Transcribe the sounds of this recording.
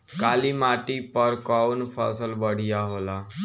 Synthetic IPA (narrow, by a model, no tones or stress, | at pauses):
kaliːmaʈipəɾkaunfə̰səlbəɽ̤ijaɦola